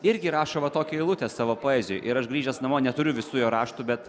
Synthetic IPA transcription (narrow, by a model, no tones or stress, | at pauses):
ɪɾʲɡʲɪɾɑːʃoːʋɐt̪oːkʲɛːɪlˠʊt̪ʲesɑːʋoːpoːɛːzʲʊjʔɪɾɐʃɡɾʲiːʒʲɛsnɐmoːnʲɛt̪ʊɾʲʊʋʲɪsuːjoːɾɑːʃt̪ʊbʲɛt̪